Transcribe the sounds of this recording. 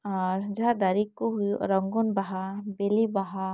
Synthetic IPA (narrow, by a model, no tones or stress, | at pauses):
aɾd͡ʒaɦad̪aɾikːuɦujɾəŋɡunbaɦabelibaɦa